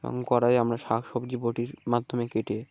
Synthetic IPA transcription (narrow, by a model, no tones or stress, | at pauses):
bo̰ŋkɔɾajamɾaʃakʃɔbd͡ʑiboʈiɾmad̪ʱːomekeʈe